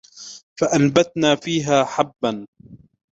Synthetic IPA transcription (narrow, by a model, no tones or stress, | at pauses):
faʔanbat̪naːfiːɦaːħabːan